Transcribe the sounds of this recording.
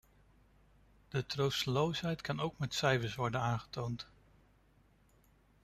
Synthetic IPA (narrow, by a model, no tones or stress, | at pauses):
d̥ətrowstəlowsɦɛjtkɑnowkmɛtsɛjvəsʋɔɹdənaːnχə̥townt